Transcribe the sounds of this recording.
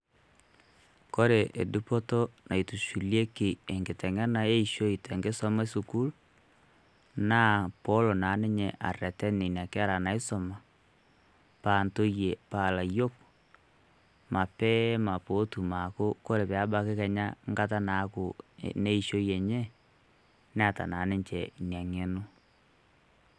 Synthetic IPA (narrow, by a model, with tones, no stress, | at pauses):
ko˦ɾe˨ʔe˨du˦po˦to˦na˨i˨tu˨ʃu˨lje˦ki˨e˨ŋɡe˨tɛ˨ŋɛ˦na˨e˦i˨ʃo˦i˨tɛ˨ŋɡe˦sɔ˦ma˦su˨ku˦l | na˦po˦lo˨na˨˦ne˦ɲɛ˨ʔa̰˨rɛ˨tɛ˦ni˨n˨a˨ke˦a˦ɾa˨na˨e˦so˨ma˨ | pa˨nto˦je˨paː˨la˨jo˦k̚ | ma˨pɛ˦ma˨po˨˦tu˨ma˨ko˦ko˦ɾe˨pe˨a˦ɓa˦ke˦kɛ˨ɲa˦ŋɡa˦t̬a˦na˨˦ko̰˨ne˦i˨ʃo˦je˨ɲɛ˦ | n˦a˦˨ta̰˨na˨˦ne˦ɲt͡ʃɛ˨ŋa˨ŋe˦no˦